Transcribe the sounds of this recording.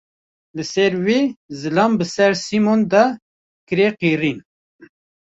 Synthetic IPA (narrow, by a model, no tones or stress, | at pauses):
lɨsɛɾwezɨlɑmbɨsɛɾsimond̪ɑ | kɨɾeqiːɾin